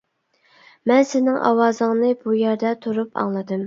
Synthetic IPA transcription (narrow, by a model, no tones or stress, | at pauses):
mɛnsɪnɪŋʔɑ̰wɑːzɨŋnɨbujɛɾd̪ɛt̪ʰuɾupʰɑ̰ŋlˠɨd̪ɨm